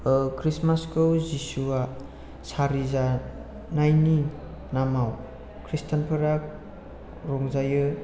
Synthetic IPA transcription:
kʰɾismaskʰɯwzisua | saɾiza | najni | namaw | kʰɾistʰanpʰɯɾak̚ | ɾɔŋzajɯ

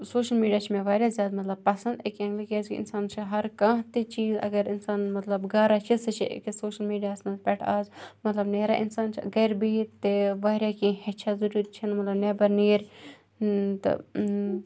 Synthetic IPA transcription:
soːʃəlmiːɖijaːt͡ʃʰimẽʋaːɾʲjaːzjaːd̪mɐt̪lɐb̚pɐsɐ̃nd̪ekɐ̃ŋɡlikjaːzkiɪ̰nsaːnt͡ʃʰiɦɐɾkãːɦt̪it͡ʃiːzɐ̰ɡɐɾɪnsaːnmɐt̪lɐbɡaːɾat͡ʃʰisɨt͡ʃʰḭkisoːʃɐlmiːɖijaːsnɐzpʲɛʈʰaːzmɐt̪lɐbneːɾaʔɪnsaːnt͡ʃʰḭɡɐɾbiːt̪eʋaːɾʲjaːkĩːɦɛt͡ʃʰazuɾuɾʲt͡ʃʰinmɐt̪lɐbneːbɐɾniːɾʲ | t̪ɐ̰

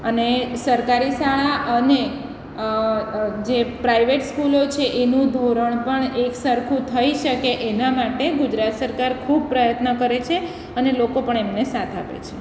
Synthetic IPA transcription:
ənesəɾkaɾisaɭaʔəne | d͡ʒepɾaiʋeʈskulot͡ʃʰeʔenũd̪ʱoɾəɳpəɳeksəɾkʰũt̪ʰəiʃəkeʔenamaʈeɡʊd͡ʒɾat̪səɾkaɾkʰub̚pɾəjət̪nəkəɾet͡ʃʰe | ənelokopəɳemnesat̪ʰa̰pḛt͡ʃʰe

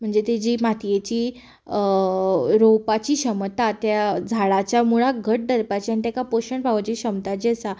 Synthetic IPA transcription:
m̤əɳd͡zet̪ed͡ʑiːmat̪ʰijet͡ɕiː | ɾowpat͡ɕiːɕəmt̪at̪jad͡zʱaɭat͡ɕjamuɭaɡʱəʈ̚d̪əɾpat͡ɕianit̪akapoɕəɳbʱaʋt͡ɕiɕəmt̪at͡ɕesa

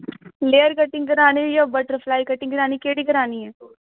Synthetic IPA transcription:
leːəɾkəʈːɪ̃ŋɡkəɾaːnejabəʈəɾpʰlaːikəʈːɪ̃ŋɡəɾaːniːkeːɽiːkəɾaːniːɛː

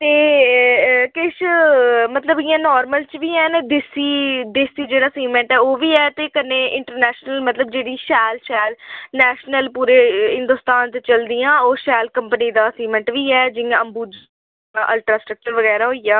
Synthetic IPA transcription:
t̪eː | kɪʃmət̪ləbɪjãːnɔːɾməlt͡ʃʋiːɦɛːnːd̪ɪsiːd̪eːsiːd͡ʒeːɽaːsiːmə̃ɳʈɛːoːʋiːɛːt̪eːkənẽːʔɪ̃ɳʈəɾnɛːʃnəlmət̪ləbd͡ʒeːɽiːʃɛːlʃɛːlnɛːʃnəlpuːɾeːɦɪ̃nd̪ʊːst̪aːnt̪et͡ʃəld̪ijãːoːʃɛːlkəmpəniːd̪aːsiːmə̃ɳʈʋiːɛːd͡ʒɪãəmbuːd͡ʒ | ʔəlʈɾaːsʈɾək̚t͡ʃəɾʋəɣɛːɾaːɦoːijaː

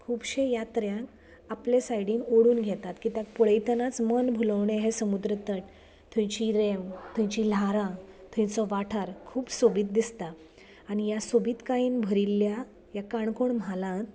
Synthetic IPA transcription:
kʰuːpɕejat̪ɾjãk | aplesajɽiːnoɽuːnɡʱɛt̪at̪kiːt̪jak̚pɔɭəjt̪ənat͡smənbʱuləʋɳeɦesəmud̪ɾət̪əʈ | t̪ʰũjt͡ɕiɾemt̪ʰũjt͡ɕilaɾãt̪ʰũjt͡sɔʋaʈʰaɾkʰuːpsobiːt̪̚d̪ist̪a | aɽ̃ijasobiːt̪kaiːnbʱəɾilːja | jakaɳkoɳmalãt̪

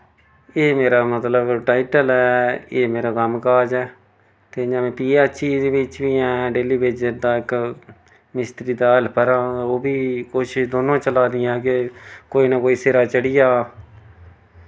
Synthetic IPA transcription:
eːmeːɾaːmət̪ləbʈaːɪʈəlɛːeːmeːɾaːkəmkaːd͡ʒɛː | t̪eːd͡ʒãːmẽːpiːɛt͡ʃiːd̪eːbɪt͡ʃʋiːɛ̃ːɖeːliːbeːd͡ʒəɾd̪aːɪk | mɪst̪ɾiːd̪aːɪlpəɾaːoːbʱiːkʊt͡ʃʰd̪oːnõːt͡ʃəlaːd̪ɪjɛ̃ːkekoːiːnakoːiːseːɾaːt͡ʃəɽɪjaː

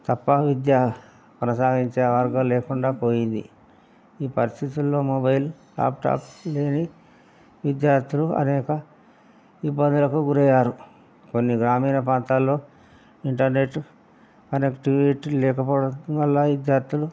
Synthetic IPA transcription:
t̪ɐpːɐʋid̪jaː | pɾɐsaːɡiɲt͡ʃeːʋɐɾɡɐmlɛːkuɳɖaːpoːjind̪ḭ | iːpɐɾist̪ʰit̪ulːo̞ːmobɐjl | a̰ːpʈa̰ːple̞ːni | ʋid̪jaːɾt̪ʰuluɐ̰nɛːkɐ | ibːɐnd̪ulɐkuɡuɾɛjaːɾu | ko̞nːiɡɾaːmiːnɐpɾaːnt̪aːlːo̞ː | iɳʈɐɾne̞ʈː | kɐneːkʈiʋiʈlɛːkɐpɔːʋɐlːaʋid̪jaːɾt̪ʰulu

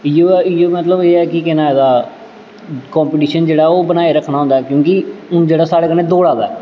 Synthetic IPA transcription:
ijoːijoːmət̪ləbeːɛːkɪkɪnaːɛd̪aː | kɔ̃ːmpɪʈiːʃənd͡ʒeːɽaːɛoːbənaːeːɾəkʰːnaːɦõnd̪aɛːkjõːkɪʊnd͡ʒeːɽaːsaːɽeːkəneːd̪oːɽaːd̪a̰ː

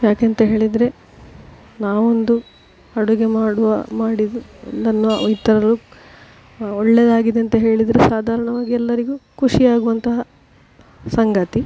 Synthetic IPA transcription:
jaːkeːnt̪ɐɦe̞ːɭid̪ɾe̞ | naːʋond̪u | ɐɽuɡe̞maːɽuʋɐmaːɽid̪unɐnːuit̪ːɐɾɐɐlu | ɔɭːed̪aːɡid̪eɐnt̪ɐɦe̞ːɭid̪ɾesaːd̪ʱaːɾɐɳɐʋaːɡiɛlːɐɾiɡukuʂiaːɡuʋɐnt̪ɐɦɐ | sɐŋɡɐt̪i

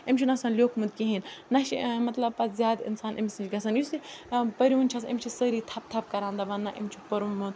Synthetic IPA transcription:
imʲt͡ʃʰinɐsɐnlʲjoːkʰmud̪̚kiɦinnɐʃimɐt̪lɐbpɐt̪zʲjaːd̪ḭnsaːnʔḭmʲsint͡ʃʰɡɐsɐnjusipɐɾiʋunʲt͡ʃʰɐsḭmʲt͡ʃʰisəɾit̪ʰɐp̚t̪ʰɐp̚kɐɾãːnd̪ɐbɐnːaʔḭmʲt͡ʃʰipɐɾunmːud̪̚

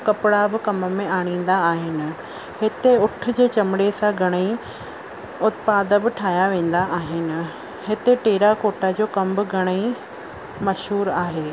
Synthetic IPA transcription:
kɐpɪɽabɪ̆kɐməmẽaːɽ̃ĩːn̆d̪aaːɦɪnɪ̆ | hɪt̪eʊʈʰʊ̆d͡ʑeːt͡ɕɐmɪɽesãɡʱɐɽ̃əi | ʊt̪paːd̪əbɪʈʰaːjaʋẽːn̆d̪aʔaːɦɪnɪ̆ | ɦɪt̪eʈeːɾakoːʈad͡ʑoːkɐmbɪɡʱɐɽ̃əi | mɐʃɦuːɾaːɦeː

